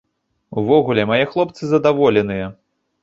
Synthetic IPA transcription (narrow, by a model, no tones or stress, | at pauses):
uvɔɣulʲɛmajɛxlˠɔp̚t̪sɨzɐd̪avɔlʲɛn̪ɨjɐ